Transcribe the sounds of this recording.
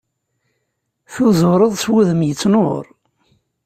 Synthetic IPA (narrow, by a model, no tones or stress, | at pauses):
θuzʊɾˤəðˤswuðəmjət͡sːnoɾˤ